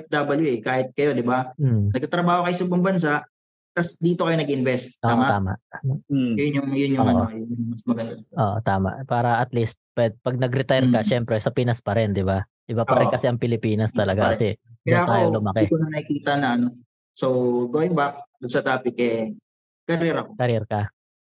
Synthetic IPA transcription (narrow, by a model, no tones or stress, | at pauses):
ɛfd̪abɐljuɛkaːhɪt̪̚kɐjo̞d̪ɪbanɐɡ̚t̪ɐt̪ɾɐbaːhokɐjosɐɪbɐŋbɐns̬aʔ | t̪ɐsd̪iːt̪o̞kɐjonɐɡɪnvɛst̪ːaːmat̪aːma̰ʔajʊnjʊŋjʊnjʊŋɐnojʊmɐsmɐɡɐnd̪aʔoʔot̪aːma̰ʔpaːɾɐʔɐt̪list̪̚pɛd̪̚pɐɡ̚nɐɡɾɪt̪ajɾkɐʃɛmpɾɛsɐpiːnɐspɐɾɛnd̪ɪba | d̪̥ɪbapɐɾɛnkɐsɛʔɐŋpɪlɪpiːnɐst̪ɐlɐɡakɐsɛdɐjaːt̪aːjolʊmɐkɛt̪onɐnɐɪkiːt̪ɐnɐɐno̞ | sowɡoɪŋbak̚d̪ʊnsɐt̪aːpɪk̚ɛ | kɐɾɛːɾɐkokɐɾɛɾkɐ